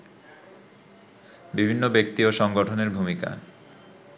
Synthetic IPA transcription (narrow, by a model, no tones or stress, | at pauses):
bibʱinːobek̚t̪ioʃɔŋɡoʈʰoneɾbʱumika̰